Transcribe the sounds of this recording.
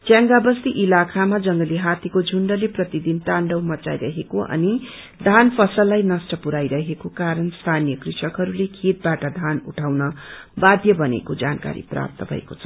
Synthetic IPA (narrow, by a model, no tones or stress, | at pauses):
t͡sjaŋɡabʌst̪iʔilakʰamad͡zʌŋɡʌliɦat̪ikod͡zʱuɳɖʌleprʌt̪id̪int̪aɳɖʌwmʌt͡sa̰jɾʌɦekoʔʌ̰ni | d̪ʱanpʰʌsʌlːajnʌsʈʌpuɾajɾʌɦekokaɾʌnst̪ʰanijʌkrisʌkɦʌɾulekʰet̪̚baʈʌd̪ʱanuʈʰawnʌbad̪ʱjʌbʌnḛkod͡za̰nka̰ɾḭpra̰p̚t̪ʌbʱʌ̰ḛkot͡sʰʌ